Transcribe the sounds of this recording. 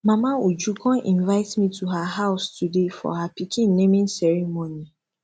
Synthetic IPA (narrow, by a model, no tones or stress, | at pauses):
mãmaod͡ʒukʰɔ̃ʔĩnvaɪtmĩtʰuɦaɦaʊstudefɔ̰hapikʰĩn̩ːẽmĩnsɛɹimoni